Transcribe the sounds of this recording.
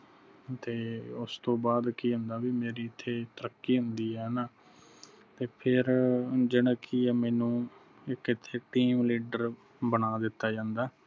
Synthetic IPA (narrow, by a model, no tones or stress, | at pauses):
t̪eːʊst̪õːbaːd̪kiːɦʊnd̪aːʋiːmeːɾiːɪt̪ʰːeːt̪əɾəkːiːɦʊnd̪iːɦɛːnaː | t̪eːpʰɪɾd͡ʒɪɽaːkiɛːmɛːnũː | ɪkɪt̪ʰːeːʈiːmliːɖəɾ | bənaːd̪ɪt̪ːaːd͡ʒãːnd̪aː